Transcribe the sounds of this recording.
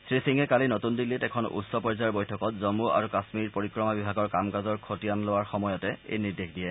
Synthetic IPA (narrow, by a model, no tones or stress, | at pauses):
sɹisiŋɛkalinotundilːitɛkʰɔnṵtsɔpɔɹizaaɹbojtʰɔkɔtzomua̰ɹukasmiɹpoɹikɹɔmabibʱaɡɔɹkamkazɔɹkʰotijanlowaɹxɔmɔjɔtɛḛjniɹdexdiɛ